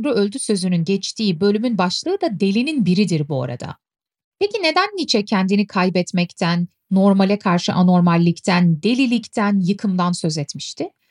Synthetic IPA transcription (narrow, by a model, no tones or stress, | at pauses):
nɾuølʲd̪ysø̞zynynɟɛt͡ʃt̪ʰiːbø̞lʲymynbaʃlˠɯːd̪ad̪e̞lʲininbiɾid̪iɾbua̰ɾa̰d̪a̰ | pʰecine̞d̪ænːit͡ʃʰɛcʰɛnd̪inikʰajbɛt̪mɛct̪ʰænː | o̞ɾmalʲɛkʰaɾʃɯ̰ʔano̞ɾmalʲːict̪ʰænd̪e̞lʲilʲict̪ʰænjɯkʰɯmd̪ansø̞zɛt̪miʃt̪ʰɪ